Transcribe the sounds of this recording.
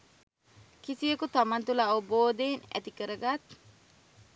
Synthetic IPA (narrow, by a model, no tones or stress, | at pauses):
kisiəkut̪amɐnt̪ulɐːoboːd̪eːnæ̰t̪ikəɾəɡat̪